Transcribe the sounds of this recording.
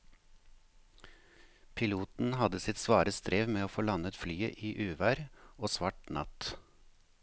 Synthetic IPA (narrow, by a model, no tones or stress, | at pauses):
pʰɪluːt̪n̩hɑd̪əsɪt̪sʋɑːɾəst̪ɾeːʋmeːoːfoːlɑnət̪flyːəʔiːʔʉːʋæːɾoːsʋɑːʈnɑ̰t̪